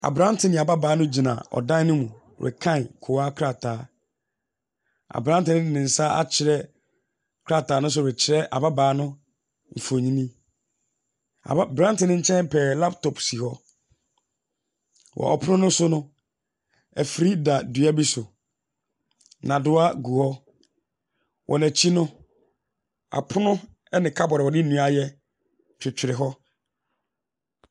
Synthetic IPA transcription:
a̰˨bɾã˦tʰɪ˨nɪ̃˨a˨ba˦baː˨˦nʊ̃˦d͡ʑi˨nã̰˨ɔ̰˨dã˦nɪ̃˦mũ˨ | ɾʔɛ̰˨kʰã˦˨nkʰʊ˨a˦kʰɾa˨tʰaː˨˦ | a̰˨bɾã˦tɪ˨nɪ̃˦ɪ˨nɪ̃˨n̩˨sa˦a̰˦t͡ɕʰɪ˨ɾɛ˦ | kʰɾa˦tʰaː˨˦nʊ̃˦s̬ʊ˨ɛ˨t͡ɕʰɪ˨ɾɛ˦ʔa̰˨ba˦baː˨˦nʊ̃˦ | m̩˨fo˨ɲĩ˦nĩ˦ | a̰˨˦bɾã˦n˦tɪ˨nɪ̃˦ɲ̩˦t͡ɕʰɛ̃˦nm˦pʰɛː˨la˦p̚tʰɔ˨psi˨hɔ˦ | wʔɔ̰˨ʔɔ̰˨pʰʊ˦nʊ̃˦nʊ̃˦sʊ˦nʊ̃˦ | æ˨fɾi˦da˨du˨˦a˦bi˦sʊ˨ | nã˨dʊ˦a˦ɡu˨hɔ˦ | wʔɔ̰˨næ˨t͡ɕʰi˦nʊ̃˦ | a̰˨pʰʊ˦nʊ̃˦ | ɛ˦nɪ̃˨kʰa˦bɔ˨ɾɛ˨wɔ˨dɪ˦nũ˨a˨jɛ˦ | t͡ɕʰᶣɪ˨t͡ɕʰᶣɪ˨ɾɪ˨ɦɔ˦

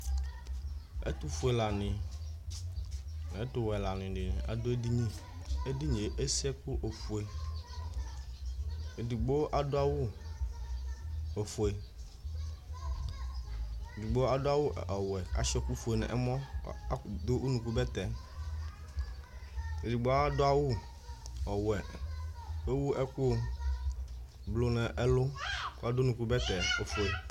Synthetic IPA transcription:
ḛ˦t̪u˦fu˨e˨la˨nɪ̃˨ | n˨ɛ˦t̪ʊ˦˨wɛ˨la˨nɪ̃˨ɖɪ˨nɪ̃˨ʔa̰˨dʊ˦e˦di˦ɲĩ˦e˦di˦ɲe˨ʔe˦si˦ɛ˦ku˦ʔo˨fu˨e˨ | e˨di˨ɡ͡bo˦ʔa˨dʊ˦a˦wʊ˦ | o˨fu˨e˨ | e˨du˨ɡ͡bo˦a˦do˦a˦wo˦ɔ˨wɛ˨a̰˨ʃɔ˦ku˦fo˨e˨nɛ̰̃˨ʔɛ˦mɔ̃˦ | d̪o˦ʔu˦nũ˨ku˦bɛ˦t̪ɛ˨ | e˨di˨ɡ͡bo˦a˦do˦a˦wu˦ | ɔ˨wɛ˨ | e˦wu˦ʔɛ˦ku˦˨ | blo˦nɛ̃˨ʔɛ˦lo˦ku˦a˨do˦nũ˨ku˦bɛ˦t̪ɛ˨e˨fo˨e˨

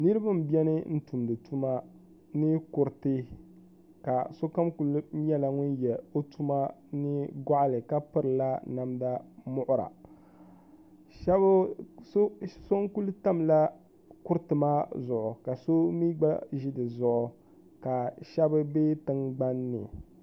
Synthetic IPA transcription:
nɨ˦ɾɨ˦ba˦m̩˨bi˦ɛ˦nɨ˦n̩˦tu˨mdɨ˨tu˦ma˦ | nɨ˦kʊ˨ɾtɨ˦ | ka˨so˦ka˦mku˦l̩˦ɲɛ˦la˨ŋʊ˦njɛ˨o˦tu˦ma˦nɨ˦ɡa˦ʔlɨ˨ka˦pɨ˦ɾɨ˨la˦na˨mda˦mʊ˦ʔʊ˦ɾa̰˨ | ʃɛ˦b | so˦ŋ˦ku˦lu˦ta˦mla˦ | kʊ˦ɾtɨ˨maː˦zʊ˨ʔʊ˨ka˨so˦mi˦ɡ͡ba˦ʒi˦dɨ˨zʊ˨ʔʊ˨ | ka˨ʃɛ˦bɨ˦beː˦tɨ˦ŋɡ͡ba˦nːɨ̰˨

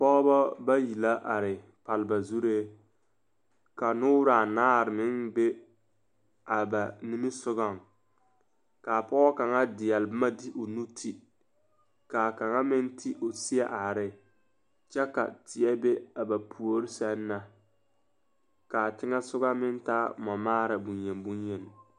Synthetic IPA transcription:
pɔː˦ba˦ba˦ji˨la˦ʔa˨ɾɪ˨ | pa˨lɪ˨ba˨zu˦ɾeː˦ | ka˨nʊ˦ɾa˨naː˦˨ɾɪ˨mɪ˦ŋbe˦ | a˨ba˨ni˦mi˦sʊ˦ɣa˨ŋ | ka˨pɔː˦ka˨ŋa˦dɪ˨jɛ˨lbɪ˦ma˦di˦ʔo˨nu˦tʰi˦ | ka˨ka˨ŋa˦mɪ˦ntʰi˦ʔo˨si˦a˦ʔa˨ɾɪ˨ | t͡ʃɛ˦ka̰˨tɪ˨ɛ˦be˦a˨ba˨pʰu˨o˦ɾɪ˦sɛ˦nːa˦ | ka˨tɪ˦ŋa˦sʊ˦ɡa˦mɪ˦nta˦mɔ˨maː˦ɾa˨bu˨njɛ˨nbu˦njɛ˨n˨

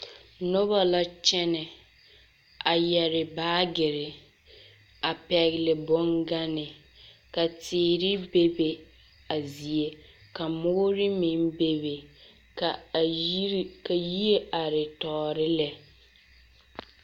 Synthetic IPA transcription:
nʊ˦βa˨la˦t͡ʃɛ˦nɪ˨ | a˨jɛ˨ɾɪ˨baː˦ɡɪ˨ɾɪ˨ | a˨pɛ˨ɣɪ˨lɪ˨bɔ˦ŋɡa˦nɪ˨ | ka˨tʰɪː˨˦ɾɪ˦be˦be˨ | a˨zi˨e˨ | ka˨mʊ˦ɾɪ˦mɪ˨n˦be˦be˨ | ka˨˦ | ka˨ji˦e˦ʔa˨ɾɪ˨tɔː˨ɾɪ˦lɛ˨

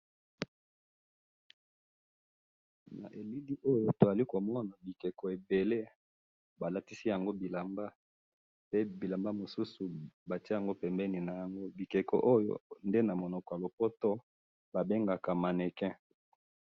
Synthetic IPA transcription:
na̰˨ʔe˨li˦di˦ʔo˦jo˨to˨a˨li˦ko˨mɔ˦na˨bi˨kɛ˨kɔ˨e˨be˨le˦ | ba˨la˦ti˦si˦ja˨ŋɡo˦bi˨la˨mba˦ | pe˦bi˨la˨mba˦mo˨su˦su˨ba˨ti˦ja˨ŋɡo˦pɛ˨mbɛ˦ni˨na˨ja˨ŋɡo˦bi˨kɛ˨kɔ̰˨ʔo˦jo̰˨nde˦na˨mo˨nɔ˨kɔ˨ja˨lo˨pɔ˦tɔ˦ | ba˨be˦ŋɡa˨ka˨ma˨nɛ˨kɛ̃˦

